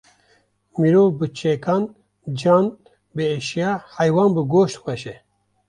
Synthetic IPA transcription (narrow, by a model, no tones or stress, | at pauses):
miɾoːbɨt͡ʃʰekaːn | d͡ʒɑːn | bɨeʃijaːhajwɑːnbɨɡoːʃt̪xɛʃɛ